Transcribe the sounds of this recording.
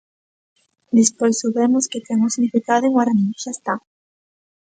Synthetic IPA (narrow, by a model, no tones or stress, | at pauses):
d̪espojsoβemʊsket̪ɛŋʊsiɣnifikaðʊeŋwaɾaniʃaest̪a